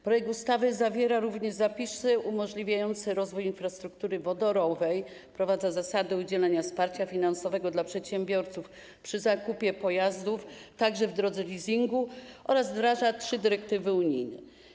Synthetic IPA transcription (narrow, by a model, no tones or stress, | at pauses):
pɾɔjɛk̚t̪ust̪avɘzavʲjɛɾaɾuvɲɛʐzapʲisɘʔumɔʐlʲivʲjajɔnt̪sɘɾɔzvujinfɾast̪ɾukt̪uɾɘvɔd̪ɔɾɔvɛj | pɾɔvad̪zazasad̪ɛud͡ʑɛlɛɲafspaɾt͡ɕafʲinansɔvɛɡɔd̪lapʂɛt̪ɕɛmbʲjɔɾt̪suf | pʂɘzakupʲjɛpɔjazd̪uf | t̪aɡʐɛvd̪ɾɔd̪zɛlʲizʲiŋɡuʔɔɾazvd̪ɾaʐatʂɘd̪ɘɾɛk̚t̪ɘvɘuɲḭjnɛ̰